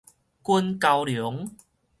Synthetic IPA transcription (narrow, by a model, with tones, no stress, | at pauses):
ku˦˧nka˧wljʊ˨˦ŋ